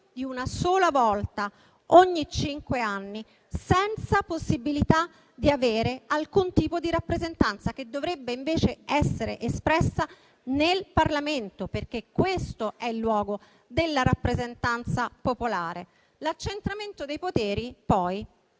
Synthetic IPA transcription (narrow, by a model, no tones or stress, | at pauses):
d̪iunasoːlavɔlt̪a | oɲːit͡ʃiŋkweanːi | sɛnt̪saposːibilit̪a | d̪iaveːɾealkunt̪iːpod̪iɾapːɾezent̪ant̪sak̟ed̪ːovɾebːeiɱveːt͡ʃeɛsːeɾeʔespɾɛsːa | nelparlament̪operk̟ekːwest̪oɛilːwɔːɡo | d̪elːaɾapːɾezent̪ant̪sapopolaːɾe | lat͡ʃːent̪ɾament̪od̪ejpot̪ɛːɾipɔj